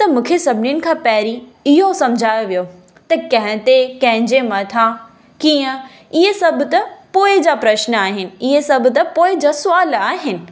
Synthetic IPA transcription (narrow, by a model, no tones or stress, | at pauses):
t̪ɐmũːkʰesɐbʱɪnɪnɪ̆kʰãːpɛːɾiɪɦosɐ̃md͡ʑʱaːjoʋijo | t̪ɐkɐ̃ɦɪ̃t̪ekɐ̃ɦɪ̃ɲd͡ʑemɐt̪ʰã | kiːə̃ | ɪɦesɐbʱʊt̪ɐpoːɪd͡ʑapɾɐʃnəaːɦɪnɪ̆ɪɦesɐbʱʊ̆t̪ɐpoːɪd͡ʑasʊaːlaːɦɪnɪ̆